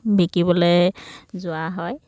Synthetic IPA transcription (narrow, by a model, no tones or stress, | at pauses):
bekibɔlejzʊaɦɔj